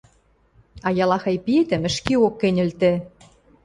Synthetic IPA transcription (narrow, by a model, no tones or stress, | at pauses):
ɑjɑlɑxɑjpiet̪ɘ̆mɘ̆ʃkiokːenʲɘ̆lt̪ĕ